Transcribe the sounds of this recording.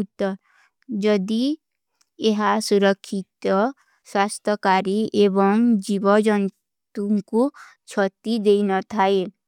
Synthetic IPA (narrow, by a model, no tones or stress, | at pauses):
ut̪ɔ | d͡ʒɔd̪i | eɦasuɾɔkʰːit̪ɔ | swast̪ɔkaɾiebɔŋd͡ʒibɔd͡ʒɔn | t̪uŋku | t͡ʃʰɔt̪id̪ejnɔt̪ʰae